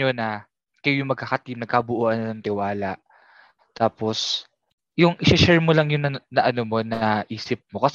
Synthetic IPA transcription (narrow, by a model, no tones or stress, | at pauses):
onɐ | kɐjojʊŋmɐɡ̚kakɐt̪imnɐɡ̚kɐbʊʔoːʔɐnɐnɐŋt̪ɪwaːlɐʔ | t̪aːpo̞s | jʊŋʔɪʃɛʃɛɹmolɐŋjʊnɐnɐʔɐnomo̞nɐʔiːsɪp̚mo̞kɐs